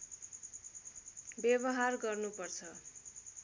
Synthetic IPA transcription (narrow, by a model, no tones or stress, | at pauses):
bjeβʌɦarɡʌrnupʌrt͡sʰʌ